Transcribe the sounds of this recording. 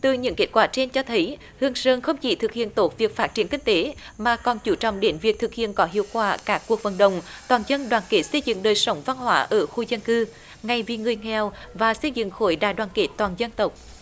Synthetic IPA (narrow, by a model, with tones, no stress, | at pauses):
t̪ɨ˨˩ɲɨ̰˧˥ŋke˦˥t̚kwaː˧˩t͡ɕe˧nt͡ɕɔ˧t̪ʰə˨˦j | hɨ˧˩əŋsəː˧˩nxə˧wŋ͡mt͡ɕḭ˧˩˦t̪ʰɨ˨˩k̚hḭ˧˨ənt̪o˨˦˥t̚vi˨˩ək̚faː˦˥t̚t͡ɕi˧˩ənki˧ŋ̟t̪e˨˦ | maː˨˩kɔ˨˩nt͡ɕu˧˩t͡ɕɔ̰˧˨wŋ͡mɗe˨˦nvi˨˩ək̚t̪ʰɨ˨˩k̚hḭ˧˨ənkɔ˨˦ɦḭ˧˨əwkwaː˧˩kaː˦˥kːu˨˩ək̚və˨˩nɗə˨wŋ͡mt̪waː˨˩nzə˧nɗwaː˨˩nke˨˦˥t̚sə˧jzɨ̰˧˨ŋɗəː˨˩jsə˨˦wŋ͡mva˧nɦwaː˨˦ʔəː˧˩xu˧zə˧nkɨ˧ | ŋa˨˩jvi˨˩ŋɨ˨˩əjŋɛ˨˩w | vaː˨˩sə˧jzɨ̰˧˨ŋxo˧˩˦jɗaː˧˩jɗwaː˧˩nke˨˦˥t̪waː˨˩nzə˧nt̪ə˨˩wk͡p̚